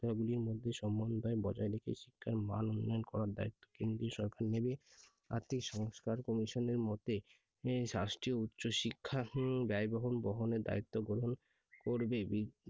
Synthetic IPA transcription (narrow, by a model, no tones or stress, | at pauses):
ɡuliɾmod̪ʱːeʃɔmbɔnd̪ʱaebɔd͡ʑaeɾekʰḛʃikʰːaɾma̰nonːajonkɔɾaɾd̪a̰it̪ːo̥kend̪ɾioʃɔɾkaɾnebe | a̰ɾt̪ʰikʃɔŋskaɾkɔmiʃoneɾmɔt̪e | ʃɾasʈɾiout̪ːɕoʃikʰːabɛjbɔɦonbɔɦoneɾd̪a̰it̪ːoɡɾoɾon | koɾbebi